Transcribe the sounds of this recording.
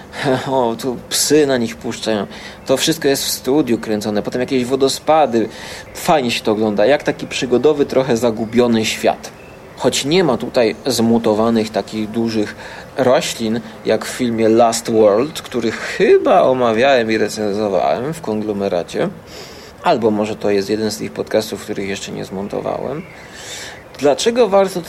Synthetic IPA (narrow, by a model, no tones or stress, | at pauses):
aɔt̪upsɘnaɲixpuʂt͡ʂajɔ̃w̃t̪ɔfʂɘst̪̚kɔjɛst̪fst̪ud̪ʲjukɾɛnt̪sɔnɛpɔt̪ɛmjakʲeʑvɔd̪ɔspad̪ɘfajɲɛɕɛ̥t̪ɔːɡlɔnd̪ajakt̪akʲipʂɘɡɔd̪ɔvɘt̪ɾɔxɛzaɡubʲjɔnɘɕfʲja̰t̪ | xɔt͡ɕɲɛmat̪ut̪ajzmut̪ɔvanɘxt̪akʲiɣd̪uʐɘxɾɔɕlʲinjʔakffʲilmʲjɛlast̪wɔɾlt̪kt̪uɾɘxxɘbaʔɔmavʲjawɛmiɾɛt̪sɛnzɔva̰wɛ̰mfkɔŋɡlɔmɛɾa̰t͡ɕɛ̰ | albɔmɔʐɛt̪ɔjɛst̪jɛd̪ɛnst̪ɘxpɔt̪kast̪ufkt̪uɾɘxjɛʂt͡ʂɛɲɛ̰zmɔnt̪ɔ̰va̰wɛ̰m | d̪̥lat͡ʂɛɡɔvaɾt̪ɔ